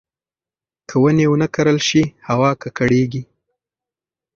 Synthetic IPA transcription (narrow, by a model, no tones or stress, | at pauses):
kʰəwənewənəkaɾəlʃihawɑkakaɽeɡi